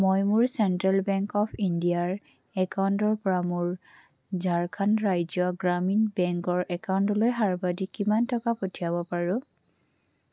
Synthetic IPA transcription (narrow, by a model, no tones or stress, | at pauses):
mojmʊɹsɛntɹalbɛŋkɔpʰindiaɹ | ɛkawntɔɹpɔɹamʊɹ | zaɹkʰanɹajzɔɡɹaminbɛŋkɔɹʔɛkawntɔlojɦaɹbadikimantɔkapotʰiabɔpaɹʊ̃